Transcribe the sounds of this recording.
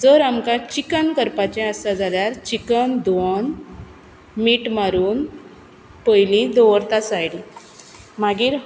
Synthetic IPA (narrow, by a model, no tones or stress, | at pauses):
d͡zəɾamkat͡ɕikənkəɾpat͡ɕẽasad͡zaljaɾt͡ɕikənd̪ʋɔn | miːʈmaɾuːn | pəjlid̪oʋəɾt̪asajɽi | maɡiːɾ